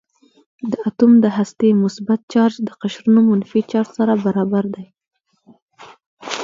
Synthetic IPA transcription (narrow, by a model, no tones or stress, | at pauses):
d̪əat̪umd̪əɦast̪emʊsbat̪̚t͡ʃɑɾd͡ʒd̪əqaʃɾunomʊnfit͡ʃɑɾsaɾabaɾɑbaɾd̪aj